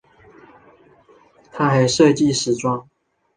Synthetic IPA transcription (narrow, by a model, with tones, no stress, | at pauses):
t̪ʰa˥xa˨˥˦ɪʂɤ˥˧t͡ɕi˥˨ʂɻ̩˨˥ʈ͡ʂwɑ˥˩ŋ